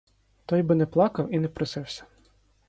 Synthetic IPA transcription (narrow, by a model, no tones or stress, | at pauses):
t̪ɔjbɪnɛplˠɑkɐwinɛpɾɪsɪwsʲɐ̥